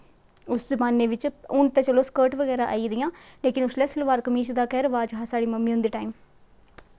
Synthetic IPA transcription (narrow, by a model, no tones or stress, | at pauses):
ʊszəbaːnːeːʋɪt͡ʃʊnt̪ɛ̃ːt͡ʃəloːskəːɾʈʋəɡɛːɾaːʔa̰ːid̪ɪjãːleːkɪnʊslɛːsəlʋaːɾkəmiːt͡ʃd̪aːkɛːɾʋaːd͡ʒɦaːsaːɽiːməmːĩːɦʊnd̪iːʈaːiːm